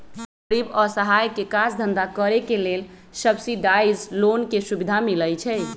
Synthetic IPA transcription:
səɾibɔɾsəɦajkekad͡ʒd̪ʱənd̪akəɾekelel | səbsiɖajd͡ʒlonkesubid̪ʱamiləjt͡ʃʰɛ

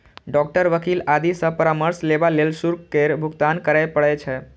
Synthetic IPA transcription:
ɖɔk̚ʈəɾʋəkilad̪isə̃pəɾaməɾsleʋalelsuɾkkeɾbʱʊɡt̪ankəɾajpəɭet͡ʃʰe

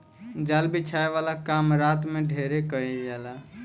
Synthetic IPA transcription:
d͡ʒalbit͡ʃʰaeʋalakamɾat̪meɖʱeɾekəɛd͡ʒɛla

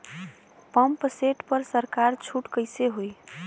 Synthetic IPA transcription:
pəmpseʈpəɾsəɾkaɾt͡ʃʰuʈkəɪseɦoj

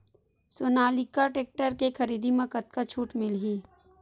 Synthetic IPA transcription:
soːnaːlikaʈeːk̚ʈəɾkexʰɐɾiːd̪imɐkət̪̚kat͡ʃʰuːʈmɪlɦiː

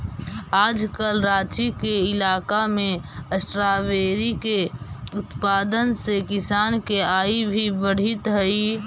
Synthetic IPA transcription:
aːd͡ʒkəlɾaːt͡ʃikeɪlaːkamẽəsʈɾaʋeːɾikeʊt̪paːd̪ənsekɪsaːnkeaːibʱibəɽ̤ɪt̪ɦəi

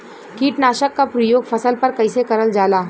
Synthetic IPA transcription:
kiːʈnaːʃəkːapɾɐjoːɡfʰɐsəlpɐɾkɐɪsekɐɾəld͡ʒaːlaː

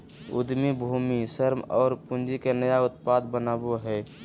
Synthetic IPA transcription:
ṵd̪mibʱumisəɾmɔːɾpund͡ʒikenəjaʊt̪̚pad̪bənaboɦɛː

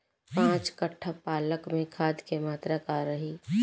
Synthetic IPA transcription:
pãːt͡ʃkəʈʰːəpaːləkmẽkʰaːd̪kemaːt̪ɾakaɾɐɦiː

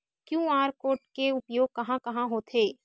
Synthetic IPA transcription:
kjũːaːɾkoːʈkeʊpjoːɡ̚kɐɦãkɐɦãɦot̪ʰeː

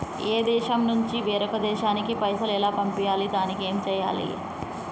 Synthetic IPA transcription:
eːd̪ɛːʃɐmnuɲt͡ʃiʋeːɾɐkɐd̪ɛːʃaːnikipɐjsɐlɛlaːpɐmpijaːlid̪aːnikeːmt͡ʃɛːja̰ːlḭ

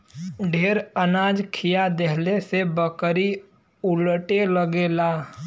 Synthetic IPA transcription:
ɖʱeːɾənaːd͡ʒkʰijad̪eɦlesebəkɾi | ʊləʈeləɡeːlaː

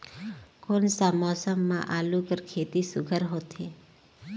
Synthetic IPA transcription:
koːnsamɔːsəmːã̰ʔaːlukəɾkʰeːt̪isʊɡʱəɾɦoːt̪e

